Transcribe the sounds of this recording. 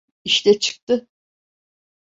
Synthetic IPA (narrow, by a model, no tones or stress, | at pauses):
iʃt̪ʰɛt͡ʃʰɯ̥k̚t̪ɯ